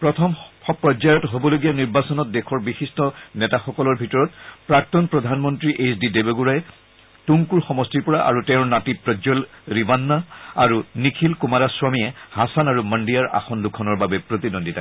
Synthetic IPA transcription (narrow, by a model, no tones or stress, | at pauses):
pɹɔtʰɔmɔpɹɔd͡ʒajɔtɦobɔloɡijaniɹbasɔnɔt̚dɛxʰɔɹbixistɔnɛtaxɔkɔlɔɹbʱitɔɹɔtpɹak̚tɔnpɹɔdʱanmɔntɹiʔesdidebeɡuɹajɛ | tuŋkuɹxɔmɔstiɹpɔɹaʔa̰ɹutɛʊ̃natipɹɔd͡ʒɔlɹibanːaaɹunikʰilkumaɾaswamiɛhasanaɹuməndijaɹa̰xɔndukʰɔnɔɹbabɛpɹotidondita